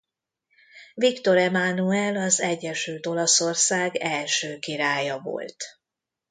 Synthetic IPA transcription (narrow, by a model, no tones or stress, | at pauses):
vikt̪o̞ɾɛmanuɛlɒzɛɟːɛʃylt̪o̞lɒso̞rsaːɡɛlʃøːkiɾaːjɒvo̰lt̪